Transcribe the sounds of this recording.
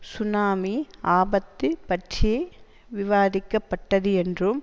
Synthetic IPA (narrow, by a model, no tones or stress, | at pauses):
sʊnaːmiaːbɐt̪ːɯpɐʈt͡ʃɪje | ʋɪʋaːðɪkːɐpːɐʈːɐðɯɛndrɯm